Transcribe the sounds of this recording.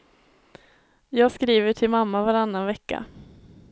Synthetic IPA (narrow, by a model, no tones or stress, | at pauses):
jɑːɡskɾiːvəʈʰɪlmamːavaɾanːanvɛkːa̰